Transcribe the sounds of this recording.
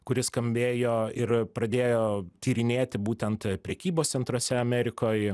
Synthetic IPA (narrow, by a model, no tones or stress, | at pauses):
kʊɾʲɪskɐmʲbʲeːjoːɪɾpɾɐd̪ʲeːjoːt̪ʲiːɾʲɪnʲeːt̪ʲɪbuːt̪ʲɛnt̪pʲɾʲɛkʲiːboːst̪sʲɛnt̪ɾosʲɛɐmʲɛɾʲɪkoːj